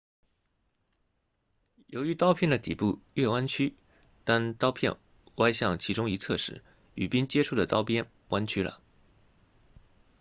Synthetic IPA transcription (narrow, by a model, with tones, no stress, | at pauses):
jo˧˥ʊy˧˥t̪ɑ˥ʊpʰjɛ˥˩nd̪ə˩t̪ḭ˨˩pu˥˧ɥɛ˥˩wa˥nt͡ɕʰy˥ | t̪a˥nt̪ɑ˥ʊpʰjɛ̰˥˩n | wa˥ɪɕjɑ˥˩ŋt͡ɕʰi˧˥ʈ͡ʂʊ˥ŋi˧˥t͡sʰɤ˥˧ʂɻ̩˥˩ | y̰˨˩pi˥nt͡ɕjɛ˥ʈ͡ʂʰu˥˩d̪ə˩t̪ɑ˥ʊpjɛ˥n | wa˥nt͡ɕʰy˥lə̰˨